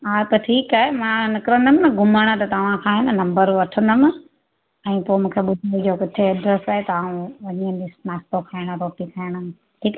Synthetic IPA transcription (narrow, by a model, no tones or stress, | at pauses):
aːt̪ɐʈʰiːkaɦemãnɪkɾə̃nd̪əmɪ̃nɐɡʱʊmaɽ̃ət̪ɐt̪ɐʋ̤ãkʰãːɦɪnənɐ̃mbəɾʋɐʈʰə̃nd̪əmɪ̃ | ɛ̃ːpoːɪmũːkʰeɓʊd̪ʱiid͡ʑoːkɪt̪ʰeɐɖɾəsaːɦet̪ɐaːũʋɐɲiə̃nd̪ismaːsʈ̪okʰaːɪɽ̃ɾoːʈikʰaɪɽ̃ | ʈʰiːk